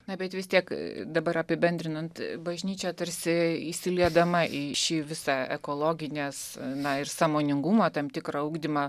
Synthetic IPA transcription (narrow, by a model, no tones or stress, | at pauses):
nɐbʲɛt̪ʋʲɪst̪ʲiɛkd̪ɐbɐɾɐpʲɪbʲɛnʲd̪ʲɾʲɪnɐnt̪bɐʒʲnʲiːt͡ʃʲɛt̪ɐɾʲsʲɪisʲɪlʲiɛd̪ɐmɐʔiʃʲiʋʲɪsɑɛ̰koːlˠoːɡʲɪnʲeːsnɐɪrsɑːmoːnʲɪŋɡumoːt̪ɐmt̪ʲɪkrɐuːɡd̪ʲimɐ